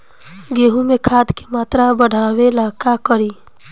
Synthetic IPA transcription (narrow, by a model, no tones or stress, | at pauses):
ɡeɦũmekʰad̪kemat̪ɾabəɽ̤ʱawelakakəɾi